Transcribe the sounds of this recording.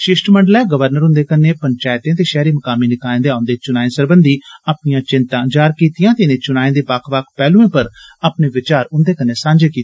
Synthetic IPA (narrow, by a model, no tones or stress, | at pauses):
ʃɪʃʈməɳɖlɛːɡəʋəɾnəɾʊ̃nd̪eːkənːeːpəɲt͡ʃaːɪt̪ẽːt̪̬eːʃɛːɾiːməkaːmiːnɪkaːẽːd̪eːaːʊnd̪eːt͡ʃʊnaːẽːsəɾbənd̪iːaːpnijãːt͡ʃɪnt̪ãːd͡ʒaːɾkiːt̪ijãːt̪enẽːt͡ʃʊnaːẽːd̪eːbakʰʋakʰpɛːlũːẽːpəɾaːpneːʋɪt͡ʃaːɾʊnd̪eːkənːeːsãːɲd͡ʒeːkiːt̪e